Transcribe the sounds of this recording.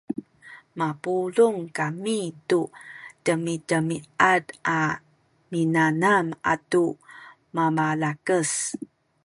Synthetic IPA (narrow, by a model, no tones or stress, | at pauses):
mapuluŋkamitutəmitəmiada | minanama̰tu | mamalakəs